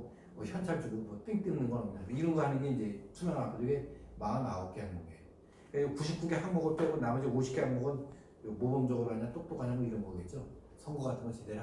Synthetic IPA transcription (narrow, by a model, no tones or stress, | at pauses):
ʌçʰjʌnt͡ɕʰaɭt͡ɕuɡumʌt͈ɯŋt͈ɯŋnɯnɡʌnaɲidamiɾʌnɡʌɦanɯnɡeind͡ʑe̞t͡ɕʰumjaŋak͈ʰod͡ʑoɡemaanaop̚k͈eɦanɡoɡe | eokuɕʰip̚p͈uŋɡehanɡʌɡʌt͈eɡonamʌd͡ʑioɕʰi̥kʰeɦanɡʌɡʌn | omobomd͡ʑʌɡɯɾoanat͈ok̚t͈ok͈aɲaŋɡoiɾʌnɡʌɡet̚t͡ɕ͈o | sʰʌŋɡuatʰɯnɡʌt͡ɕedeɾ